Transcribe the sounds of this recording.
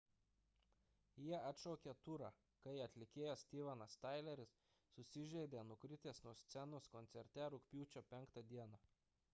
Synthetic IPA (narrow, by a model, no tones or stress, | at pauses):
jiɛɐt̪ʃɔʊkʲet̪ʊɾɑ | kɐɪɐt̪ʲlʲɪkʲeːjɛsʲt̪ʲiːʋɑnɐst̪ɐɪlʲɛɾʲɪsː | ʊsʲɪʒʲɛɪd̪ʲeːnʊkɾʲɪt̪ʲeːsnuɔsʲt̪sʲɛnoskɔnʲt̪sʲɛɾʲt̪ʲɛɾʊkʲpʲuːt͡ʃʲoːpʲɛŋkt̪ɐd̪ʲiɛnɐ